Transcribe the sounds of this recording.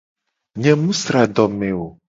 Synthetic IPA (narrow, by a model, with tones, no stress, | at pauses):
ɲɛ̃˨mũ˦sɾa˨ɖ̪ɔ˨mɛ̃˨wo˨